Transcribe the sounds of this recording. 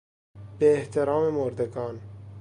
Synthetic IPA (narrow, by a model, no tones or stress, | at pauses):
b̥eːht̪ʰeɾɑːmemoɾd̪eɡɒːn